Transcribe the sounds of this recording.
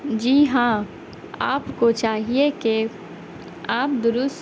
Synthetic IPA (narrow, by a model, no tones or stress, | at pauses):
d͡ʒiːɦãː | a̰ːpkot͡ʃaːɦieke | aːp̚d̪ʊɾʊs